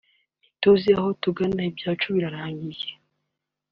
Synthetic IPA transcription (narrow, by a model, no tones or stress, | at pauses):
itoziahotuɡanaibjaːt͡ʃuβiɾaɾaːɲɡije̥